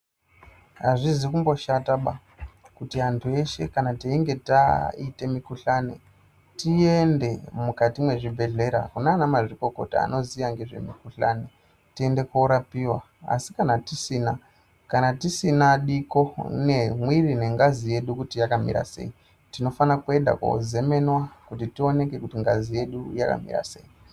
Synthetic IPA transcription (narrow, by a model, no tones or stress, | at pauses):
ɦaʐizikumbo̞ʃataɓa | kutiantʰue̞ʃe̞kanateiŋɡe̞taite̞mikuɬanḛ | tie̞nde̞mukatimwe̞ʐibʱe̞ɮe̞ɾa̰kunaːnamaʐiko̞ko̞ta̰a̰no̞zijaŋɡe̞ʐe̞̰mikuɬa̰ne | tie̞nde̞koːɾapiwa | a̰si̥kanatisiːna | kanatisinaɗiko̞ne̞mwirine̞ŋɡazije̞ɗukutijakamḭɾa̰se̞̰i | tino̞fanakue̞nda̰ko̰ze̞me̞nwakutitio̞ne̞ke̞kutiŋɡazije̞ɗujaka̰mḭra̰sḛːi